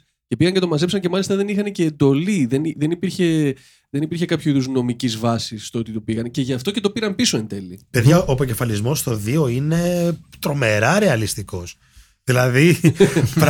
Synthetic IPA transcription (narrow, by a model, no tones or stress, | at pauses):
ce̞piɣɐncet̪o̞mɐzepsɐɲce̞mɐlist̪ɐðenixɐneceːnd̪o̞liðe̞nðenipiɾçe̞ | ðe̞nipiɾçekɐpçuiðuzno̞micizvɐsisːt̪oo̞t̪it̪o̞piɣɐnce̞ʝɐft̪o̞cet̪o̞piɾɐmpiso̞end̪e̞lipe̞ðʝɐʔopoce̞fɐlizmo̞st̪o̞ðioine̞t̪ɾo̞me̞ɾɐɾe̞ɐlist̪iko̞s | ðilɐði